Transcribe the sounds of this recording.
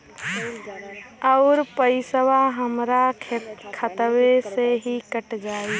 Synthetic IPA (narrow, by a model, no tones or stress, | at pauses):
əʊɾpəɪsəʋaɦəmɾakʰət̪weseɦikəʈd͡ʒaːi